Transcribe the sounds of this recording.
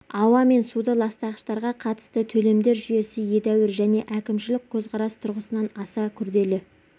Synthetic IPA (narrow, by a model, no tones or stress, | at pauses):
ɑwɑme̞nsud̪əlˠɑst̪ɑʁəʃt̪ɑɾʁɑqʰɑt̪ə̥st̪ət̪ʰɵle̞md̪e̞ɾʒʏje̞sɪje̞d̪æwɪɾʒæne̞ʔækʲɪmʃɪlɪk̚ʲkʲʰɵzqʰɑɾɑst̪ʰʊɾʁəsənɑnɑsɑkʲʰʏɾd̪e̞lɪ